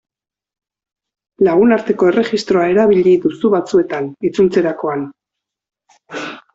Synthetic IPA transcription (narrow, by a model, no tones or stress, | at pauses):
laɣ̞unaɾt̪e̞ko̞e̞re̞ɣist̪ɾo̞ae̞ɾaβiʎiðusuβat͡sue̞t̪anit͡sult͡se̞ɾako̞an